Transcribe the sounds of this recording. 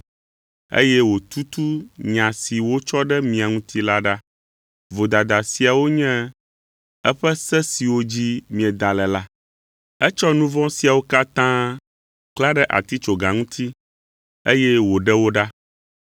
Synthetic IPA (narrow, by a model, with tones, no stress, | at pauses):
ḛ˦jɛ˦wo˨t̪u˦t̪u˦ɲã˨si˨wo˦t͡ʃɔ˦ɖɛ˦mĩ˨a˨ŋũ˦t̪ʰi˦la˦ɖa˦ | vo˨d̪a˨d̪a˨si˨a˨wo˦ɲɛ̃˦ | ɛ˦ɸɛ˦sɛ˦si˨wo˦d͡ʑi˦mĩ˨ɛ˨d̪a˨lɛ˨la˦ | ɛ˦t͡ʃɔ˦nũ˦vɔ̃˦si˨a˨wo˦ka˦t̪ã˦ | kla˦ɖɛ˦ʔa̰˨t̪i˦t͡ʃo˨ɡa˨ŋũ˦t̪ʰi˦ | ḛ˦jɛ˦wo˨ɖɛ˦wo˦ɖa˦